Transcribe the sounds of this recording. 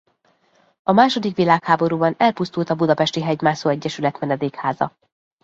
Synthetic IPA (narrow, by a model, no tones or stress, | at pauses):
ɒmaːʃo̞d̪ikʋilaːkhaːbo̞ɾuːbɒnɛlpust̪ult̪ɒbud̪ɒpɛʃt̪iɦɛɟmaːsoːɛɟːɛʃylɛt̪mɛnɛd̪eːkhaːzɒ̰